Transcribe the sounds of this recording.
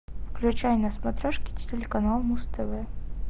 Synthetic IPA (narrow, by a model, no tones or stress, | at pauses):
fklʲʉt͡ɕajnɐsmɐt̪ɾʲaʂkʲi̥tʲtʲɪlʲɪkɐnalˠmust̪ʰɛvɛ